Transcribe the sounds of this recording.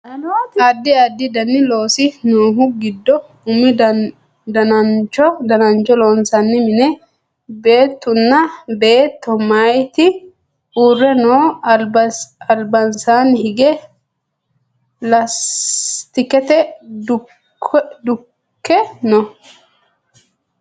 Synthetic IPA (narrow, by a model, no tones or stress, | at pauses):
ɐd̪ːɪɐd̪ːɪd̪ɐnːɪlo̞ːsɪnoːɦʊɡɪd̪ːɔ | ʊmɪd | d̪ɐnɐnt͡ʃɔd̪ɐnɐnt͡ʃɔloːnsɐnːɪmɪnɛ | be̞ːt̪ːʊnːɐbe̞ːt̪ːɔmajt̪ɪ | uːrːɛnoː | ɐlbɐnsaːnhɪɡɛ | lɐst̪ɪkɛt̪ɛ | d̪ʊ | kːɛnɔ